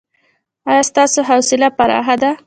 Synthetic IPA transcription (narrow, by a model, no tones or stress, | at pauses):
ajɑst̪ɑsoɦawsɪlapaɾɑ̰ɦad̪a